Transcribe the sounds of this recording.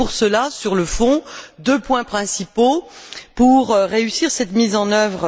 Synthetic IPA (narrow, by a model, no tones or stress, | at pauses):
uʁsəlasyʁləfɔ̃d̪øpwɛ̃pχɛ̃sipopuʁʁeysiʁsɛt̪mizɑ̃nœvʁ